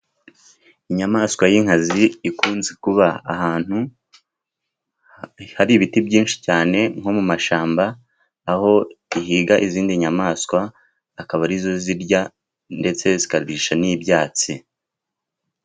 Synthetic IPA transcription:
iɲamaːskwajiŋ̥haziːkuːnzekuβa̰ːhaːn̥hu | haɾiβitibɟiːnʃi̥caːne̞ŋ̥ho̞mumaʃaːmbaː | ho̞ihiːɡaʔiziːndiɲamaːskwaː | kaβaɾizo̞ziɾɟa | nde̞t͡se̞zikaɾβiːʃanibjaːt͡si

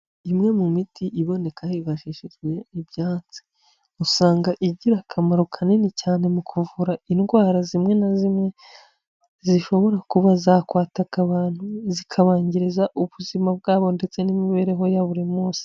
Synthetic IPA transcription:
imŋe̞mumitʰiʔiβo̞ne̞kahiβaʃiʃiʒɡwe̞ibjaːnt͡si̥ | usaːŋɡaʔiɟiɾakʰamaɾokʰaninicaːne̞mukʰuvuɾainɡwaːɾazimŋe̞nazimŋe̞ | ziʃo̞βo̞ɾakuβazaːkwaːtakaβaːn̥huzikʰaβaːɲɟiɾezaʔuβuzimabɡaːβo̞nde̞t͡se̞nimiβe̞ːɾe̞ɦo̞jaβuɾimuːsi̥

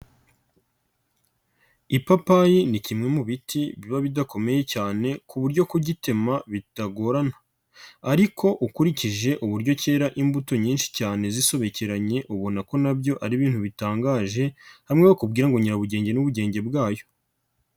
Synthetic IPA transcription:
ipapajinicimŋe̞muβitʰiβiβaβidako̞me̞je̞caːne̞kuβuɾɟo̞kuɟite̞maβitaɡo̞ɾanḁː | ɾikʰo̞ʔukuɾiciʒe̞ʔuβuɾɟo̞ce̞ːɾaʔimbuto̞ɲiːnʃi̥caːne̞ziso̞βe̞ceɾaɲe̞ʔuβo̞nako̞nabɟo̞ʔaɾiβiːn̥huβitaːŋɡaːʒe̞haimŋewokub̚ɡiːɾaŋɡoɲiɾaβuɟe̞ːɲɟe̞nuβuɟe̞ːɲɟe̞bɡaːjo̞̥

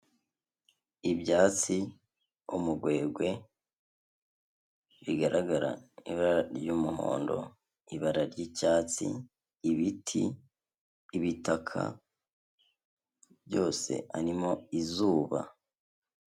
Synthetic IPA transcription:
ibɟaːt͡si | umuɡwe̞ːɡwe̞ | βiɡaɾʔaɡaɾa̰iβaɾaɾjuːmuɦo̞̰ːndo̞̰ | iβaɾaɾɟicaːt͡sḭː | βitʰḭː | βitakʰa̰ | bjɟo̞ːse̞̰aɾimo̞izuːβa̰

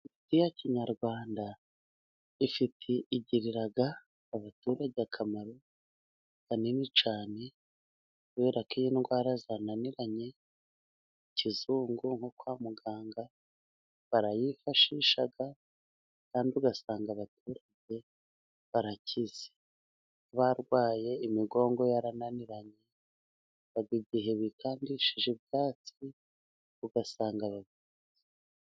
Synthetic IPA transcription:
itijaciɲaɾɡwaːnda | ifitʰeʔiɟiɾiɾaɡaː | βatuɾaɟejakʰamaɾo̞ | βaninit͡ʃaːne̞ | uβeɾakiɲenŋɡwaːɾazananiɾaɲe̞ | icizuːŋɡuŋho̞kwaːmuɡaːŋɡa | βaɾajifaʃiʃaɡa | kaːndiuɡasaːŋɡaβatʰuːɾaɟe̞ | βaɾacʰiz̥e | βaɾɡwaːje̞imiɡo̞ːŋɡo̞jaɾananiɾaɲe̞ | βaɡiɟiɦe̞βikʰaːndiʃiʒeb̚ɡaːt͡si | uɡasaːŋɡaβavi | ze̥

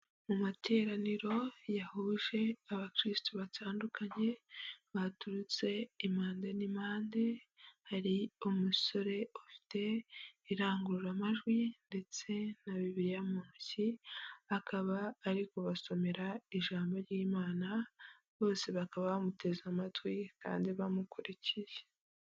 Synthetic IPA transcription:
mumatʰe̞ːɾaniɾo̞jahuːʒe̞aβakɾistuβatʰaːndukʰaɲe̞βatuɾut͡se̞imaːnde̞nimaːnde̞haɾiumuso̞ɾe̞ofi̥te̞iɾaːŋɡuɾuɾamaʒɡwinde̞t͡se̞naβiβiɾijamuːnsiakʰaβaːɾiko̞βaso̞me̞ɾaiʒaːmbo̞ɾjiːmaːna | βo̞ːse̞βakaβaβamutʰe̞zamatwika̰ːndiβamukuɾiciʒe̥

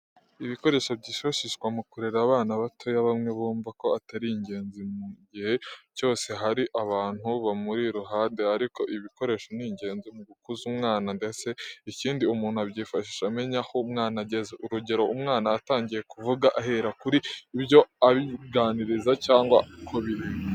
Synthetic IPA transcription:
iβiko̞ɾe̞ːʃobɟiːʃoʃiʃkwamukuɾeɾaβaːnaβatʰo̞jaβamŋe̞βuːɱvako̞ataɾiiɲɟe̞ːnzimuɟihe̞βjo̞ːse̞ɦaɾiʔaβaːn̥huβamuɾiɾuɦaːnde̞aɾiko̞ʔiβiko̞ɾe̞ːʃo̞niɲɟe̞ːnzimuɡukuzumŋaːnandese̞iciːndiumuːnhuaβɟiːfaʃiʃeame̞ɲahoumŋaːnaɟezeʔuɾuɟe̞ɾo̞ʔumŋaːnaːtaːɲɟije̞kuvuɡaʔaɦe̞ɾakuɾiːbjo̞aβiɡaːniɾizacaːŋɡwakʰoβiɾim

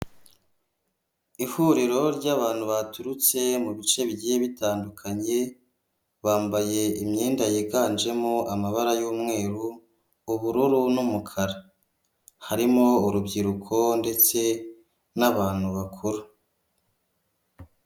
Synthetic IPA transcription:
ihuɾiɾo̞ɾɟaβaːn̥huβatuɾut͡se̞muβit͡ʃe̞βɟieβitaːndukʰaɲe̞ | βaːmbaje̞imɲeːndajekaːnd͡ʒe̞moamaβaɾajuːmŋe̞ːɾuː | βuɾuɾunumukʰaɾa | haɾimo̞uɾubɟiɾukʰo̞nde̞t͡se̞ | naβaːn̥huβakʰuɾu

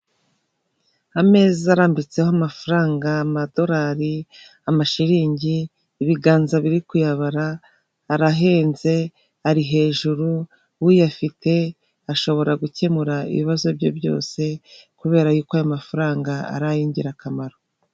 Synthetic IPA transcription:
ame̞ːziaɾaːmbit͡se̞hoamafaɾaːŋɡaːmado̞ɾaɾi | amaʃiɾiːɲɟiː | βiɡaːnzaβiɾikujaβaɾaː | ɾaɦe̞ːnze̞ | aɾiɦe̞ːʒuɾu | wujafite̞ | aʃo̞βo̞ɾaɡuce̞muɾaḭβiβazo̞bɟo̞̰bjo̞̰ːse̞kuβe̞ːɾajuːkoajomafaɾaːŋɡaa̰ɾajiːɲɟiɾakamaɾo

